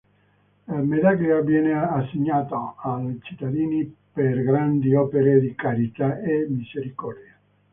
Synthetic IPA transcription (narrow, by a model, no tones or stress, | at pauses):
lamed̪akiavjɛːneasːeɲːaːt̪oalt͡ʃi̥t̪ːad̪iːniperɡɾand̪iɔːpeɾed̪ikaɾit̪aemizeɾikɔrd̪ja